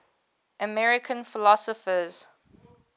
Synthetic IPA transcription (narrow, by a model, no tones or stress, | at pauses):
ʔəmɛɹɪkʰə̃nfɪlɔsɔfəz̥